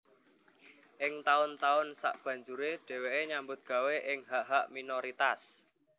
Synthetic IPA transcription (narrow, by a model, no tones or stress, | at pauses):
ʔɪŋt̪aʊnt̪aʊnsa̰ʔb̥ä̤ɲd͡ʒuɾeɖ̥ɛ̤weʔeɲambʊt̪̚ɡ̥a̤weʔɪŋɦaʔɦaʔminoɾit̪as